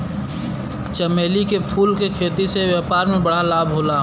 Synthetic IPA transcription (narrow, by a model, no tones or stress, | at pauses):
t͡ʃəmeːlikepʰuːlkekʰeːt̪iseʋjaːpaːɾmẽbɐɽ̤alaːbʱɦoːla